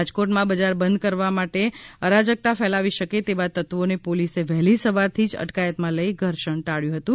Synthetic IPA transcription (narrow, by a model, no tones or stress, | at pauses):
ad͡ʒkoʈmãbəd͡ʒaɾbənd̪̚kəɾʋamaʈeəɾad͡ʒək̚t̪afɛlaʋiʃəket̪ebat̪ət̪ʋonepoliseʋɛɦlisəʋaɾt̪ʰid͡ʒə̰ʈkajət̪mãləjɡʱəɾʃəɳʈaɭjũɦət̪ũ